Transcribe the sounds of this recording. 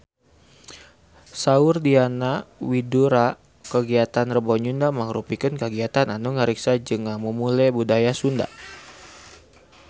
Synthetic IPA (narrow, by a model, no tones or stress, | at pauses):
saʊrdianawiduɾa | kəɡiat̪anrəbɔɲundaməŋɾupikənkəɡiat̪ananuŋəɾiksad͡ʒəŋaməmulɛbudajasunda̰